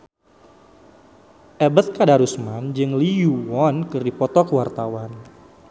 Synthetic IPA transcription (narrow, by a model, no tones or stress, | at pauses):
ʔɛbət̪̚kadaɾusmand͡ʒɨŋlijuwɔnkɨrdipɔt̪ɔkəwart̪awan